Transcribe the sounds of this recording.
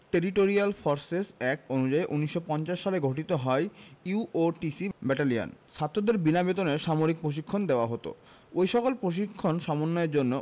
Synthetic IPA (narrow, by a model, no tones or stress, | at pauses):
ʈeɾiʈoɾialfoɾsesɛk̚ʈonud͡ʑaeʔuniʃːopɔnt͡ɕaʃːaleɡʱoʈ̬it̪oɦɔeuoʈisibɛʈalia̰nʃʰat̪ːɾod̪eɾbinabet̪oneɾʃamoɾik̚pɾoʃ̬ikʰːond̪eoaɦot̪o̰ | ojʃɔkolpɾoʃ̬ikʰːonʃɔmonːɔeɾd͡ʑonːo